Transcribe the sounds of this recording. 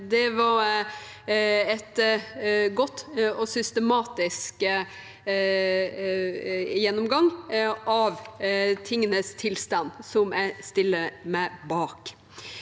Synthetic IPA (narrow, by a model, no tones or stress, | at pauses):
d̪ɛʋɑɾ | ɛt̪ | ɡɔt̪ːɔsʏst̪əmɑːt̪ɪsk | jɛnːɔmɡɑŋɑʋt̪ʰɪŋːənəst̪ʰɪlst̪ɑnsɔmæɪst̪ɪlːəmæɪbɑːk